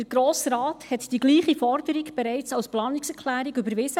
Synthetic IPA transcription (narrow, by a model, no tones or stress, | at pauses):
əɾɡɾoːsɾɑːthɛt̪d̥iɡliːχifɔrdəɾiɡb̥ɛɾɛɪt͡sɑwsplɑːniksɛɾkʰχlæːɾiɡybəɾʋɪsə